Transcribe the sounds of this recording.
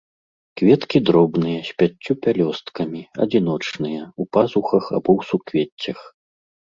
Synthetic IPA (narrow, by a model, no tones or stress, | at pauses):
kvʲɛt̪kʲid̪ɾɔbnɨjɐsʲpʲat͡sʲːupʲalʲɔst̪kɐmʲiɐ̰d͡zʲin̪ɔt͡ʂnɨjɐupazuxɐxa̰bɔwsukvʲet͡sʲːɐx